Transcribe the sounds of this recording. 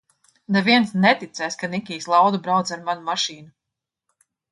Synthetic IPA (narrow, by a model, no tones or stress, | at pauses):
nɛviɛnsnɛt̪it̪sɛjskanikʲiːslˠawd̪ubɾawt̪zaɾmanumaʃiːnu